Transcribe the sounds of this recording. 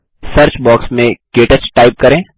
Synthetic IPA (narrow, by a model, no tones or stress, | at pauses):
sɐɾt͡ʃbɔːksmẽɡeːʈət͡ʃʈaːɪp̚kɐɾẽː